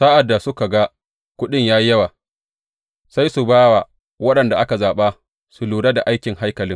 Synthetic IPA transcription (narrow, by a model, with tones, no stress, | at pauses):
sa˦ʔa˨dːa˨sʊ˦ka˨ɡa˦ | kʷʊ˦ɗɪ˦ɲjaː˦jɐ˦waː˨ | sa˦jsu˨baː˦wa˨ | wɐ˦ɗɐ˨nda˨ʔa˦ka˨zaː˨ɓa˦ | su˨luː˨ɽa˦da˨ʔa˦jkʲɪ˨ŋha˦jkɐ˨lɪ˦ŋ